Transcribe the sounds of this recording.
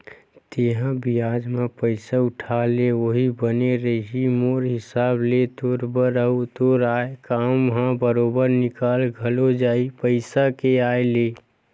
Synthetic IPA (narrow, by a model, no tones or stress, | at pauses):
t̪eːɦãbijaːd͡ʒmẽpəɪsaʊʈʰaleoɦibəneɾəɦimoːɾɦɪsaːblet̪oːɾbəɾəɦut̪oːɾaːekaːmʋəɦãbəɾoːbəɾnɪkaːlɡʱəlod͡ʒaːipəɪsakeaːeleː